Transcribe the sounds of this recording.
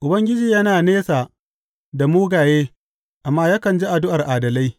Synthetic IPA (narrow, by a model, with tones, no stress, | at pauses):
ʔʊ˨bɐ˦ŋɡʲɪ˦d͡ʒiː˨jɐ˦naː˨neː˦sa˨ | da˨muː˦ɡaː˨jeː˦ | ʔa˨mːaː˦ja˦kɐ˨nd͡ʒi˦ʔa˨dʊ˦ʔa˨rʔaː˨dɐ˨la˦j